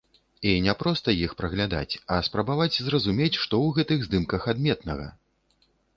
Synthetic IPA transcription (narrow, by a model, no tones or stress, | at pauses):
inʲɛpɾɔst̪ɐjixpɾɐɣlʲad̪a̰t͡sʲɐspɾɐbavat͡sʲzrɐzumʲet͡sʲʂt̪ɔwɣɛt̪ɨɣzd̪ɨmkɐxad̪mʲɛt̪nɐɣɐ̰